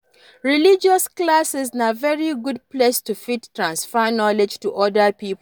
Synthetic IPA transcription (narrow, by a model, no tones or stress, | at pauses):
ɹilid͡ʒɔsklasɪznavɛɹiɡud̚plestufittːɹãnsfənɔled͡ʒtuʔɔdəpip